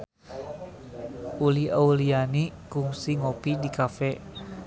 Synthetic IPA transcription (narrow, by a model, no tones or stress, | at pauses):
uliaulianikuŋsiŋopidikafɛ